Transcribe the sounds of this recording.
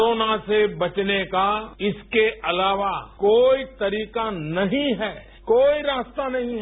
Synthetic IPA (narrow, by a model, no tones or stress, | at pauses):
ɾoːnasebɐt͡ʃnekaɪskeʔɐlaːʋakoːit̪ɐɾiːkanɐɦĩɦɛː | koːiɾaːst̪anɐɦĩɦ